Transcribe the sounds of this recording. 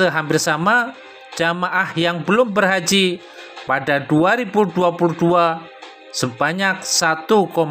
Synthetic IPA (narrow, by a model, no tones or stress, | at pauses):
əɦampɪrsama | d͡ʒamaʔahjaŋbəlʊmbərɦad͡ʒi | padaduaɾibuduapuluhdua | səbaɲak̚sat̪ukɔm